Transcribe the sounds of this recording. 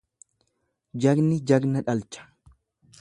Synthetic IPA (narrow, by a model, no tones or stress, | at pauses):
d͡ʒɐɡnɪd͡ʒɐɡnɐᶑɐlt͡ʃɐ̥